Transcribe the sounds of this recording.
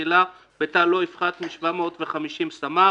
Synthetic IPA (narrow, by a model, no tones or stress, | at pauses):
ila | betaloifχat̪miʃvamo̞t̪veχamiʃimsama